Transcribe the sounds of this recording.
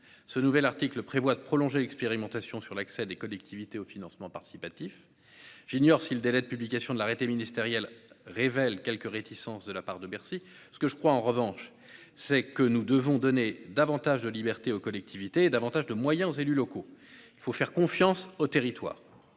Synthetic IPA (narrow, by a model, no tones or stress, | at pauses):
sənuvɛlaʁt̪ikləpχevwad̪əpχɔlɔ̃ʒelɛkspeʁimɑ̃t̪asjɔ̃syʁlaksɛd̪ekɔlɛk̚t̪ʰivit̪eofinɑ̃smɑ̃paʁt̪i̥sipat̪if | ʒ̥injɔʁsiləd̪elɛd̪əpyblikasjɔ̃d̪laʁet̪eminist̪eʁjɛlʁevɛlkʲɛlkəʁet̪isɑ̃sd̪əlapaʁd̪əbɛʁsi | sə̥kəʒəkχwaɑ̃ʁəvɑ̃ʃ | sɛkənud̪əvɔ̃d̪ɔned̪avɑ̃t̪aʒd̪əlibɛʁt̪eokɔlɛk̚t̪ʰivit̪eːd̪avɑ̃t̪aʒd̪əmwajɛ̃ozelylɔkoilfofɛʁkɔ̃fjɑ̃sot̪eʁit̪wa̰ːʁ